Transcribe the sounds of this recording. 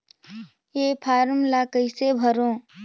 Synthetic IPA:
eːpʰaːɾmlakəɪsebʱəɾõː

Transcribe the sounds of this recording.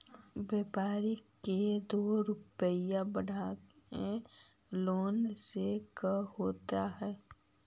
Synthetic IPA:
beːpaːɾiked̪oːɾʊpəjãbəɽʱake | loːnsekəhoːt̪aɦɛː

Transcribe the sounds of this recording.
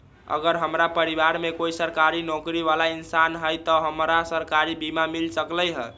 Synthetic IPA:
ə̰ɡəɾɦəmɾapəɾiβaɾmekoisəɾkaɾinɔkɾiʋalainsanɦəjt̪ɔɦəmɾasəɾkaɾibimamilsəkləjɦə

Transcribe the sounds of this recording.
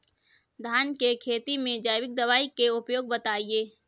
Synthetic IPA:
d̪ʱaːnkekʰeːt̪imẽd͡ʒaːɪʋɪk̚d̪ɐʋaːikeʊpjoːɡ̚bɐt̪aːieː

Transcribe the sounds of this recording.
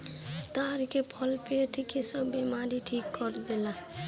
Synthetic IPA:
t̪aɾkepʰʌlpeʈʰkesʌbemaɾiʈʰikːɔɾd̪ela

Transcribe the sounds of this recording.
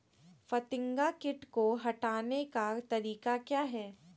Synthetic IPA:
fɐt̪ɪ̃ŋɡakɪʈkoɦɐʈaːnekat̪ɐɾiːkakjaːɦɛː

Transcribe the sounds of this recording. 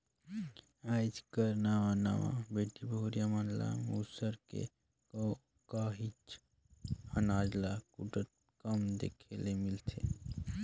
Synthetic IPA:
ajd͡ʒkəɾnaʋana̰ʋã̰beʈibʱoɾijamanla̰musəɾkḛ | kaɦit͡ʃ | ənad͡ʒlakuʈət̪̚ | kəmd̪ḛkʰelemilt̪ʰe

